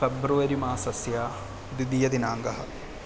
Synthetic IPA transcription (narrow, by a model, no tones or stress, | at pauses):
febɾuʋɐɾimaːsɐsjaː | d̪ud̪ijɐd̪inaːŋɡɐɦɐ̰